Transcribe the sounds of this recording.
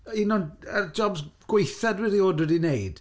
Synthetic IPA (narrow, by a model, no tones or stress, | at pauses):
inɔnəd͡ʒɔbzɡ̥wejθadwɛɾioːdwɛdinejd̥